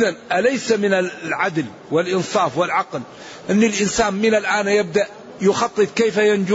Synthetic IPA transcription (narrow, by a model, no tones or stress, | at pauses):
ʔɪðanʔalajsamɪnaʕad̪l | wɪlʔɪnsˤɑːfwɪlʕɑql | ʔɪnːɪlʔɪnsaːnmɪnalʔaːnjab̚d̪aʔ | jʊxɑt̪ˤːɨt̪ˤkejfajand͡ʒʊ